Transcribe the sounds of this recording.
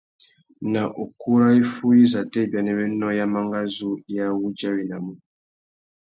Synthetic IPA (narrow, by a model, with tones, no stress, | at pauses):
na˨ʔo˨ku˦ɾa˦i˦fu˦ji˦za˨tɛ˦˨bja˨nɛ˦βɛ˦nɔ˦ja˦ma˦ŋɡa˦zu˦ja˦wu˦d͡ʒa˦wi˨na˨mu˨